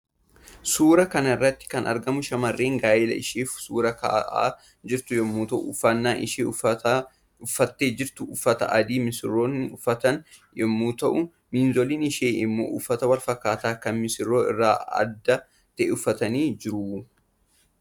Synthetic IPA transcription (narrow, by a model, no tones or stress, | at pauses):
suːɾɐkɐnɐɪrːɐt̪ːɪ̥kɐnʔɐ̰ɾɡɐmʊʃɐmɐrːeːŋɡaːjɪlɐ̰ɪʃeːfsuːɾɐkɐ̰ʔa̰ː | d͡ʒɪɾt̪ʊjɔmːuːt̪ɐʔʊːfːɐnːaːʔɪʃe | ʊfːɐt̪ːeːd͡ʒɪɾt̪ʊʊfːɐt̪ɐ̰ʔɐd̪iːmɪsɪrːoːnʊfːɐt̪ɐn | jɔmːuːt̪ɐʔʊ | miːnzɔliːnɪʃeːʔɪmːo̰ːʔʊfːɐt̪ɐwɐlfɐkːaːt̪aːkɐnmɪsɪrːoːɪ̰rːaːɐ̰d̪ːɐ | t̪ɛʔɛʊfːɐt̪ɐniːd͡ʒɪɾuː